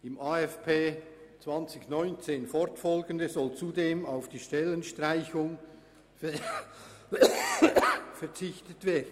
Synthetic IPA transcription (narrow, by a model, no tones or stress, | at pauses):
ɪmʔaːɛfpʰeː | t͡sv̥ɑnt͡sɪçnɔʏnt͡seːnfɔɾtfɔlɡəndəzɔlt͡sudeːmaʊfd̥iːʃtɛlənʃtʁaɪçʊŋ | f | fɛɐt͡sɪçtətv̥eːɐdn̩